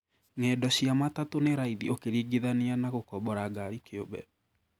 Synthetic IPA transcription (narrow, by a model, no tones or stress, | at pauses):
ŋɛdɔɕiamatatoneɾaiðiokeɾiːɡeðaneanaɣokɔbɔɾaɡaɾikeobɛ̰